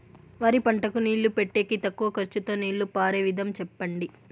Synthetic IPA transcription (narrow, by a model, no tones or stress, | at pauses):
ʋaːɾipɐɳʈɐkuniːɭːupeʈːe̞ːkit̪ɐkːuʋɐkɐɾt͡ʃut̪o̞ːniːɭːupaːɾeːʋid̪ʱɐmt͡ʃɛpːɐɳɖi